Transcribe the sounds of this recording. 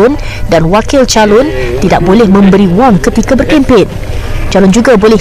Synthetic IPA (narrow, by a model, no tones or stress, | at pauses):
ʊn | danwakɪlt͡ʃalɔnt̪ida̰ʔ̚bolɛhmə̃mbəɾiwɔŋkət̪ikabərkɛmpɪn | t͡ʃalɔnd͡ʒuɡabolɛ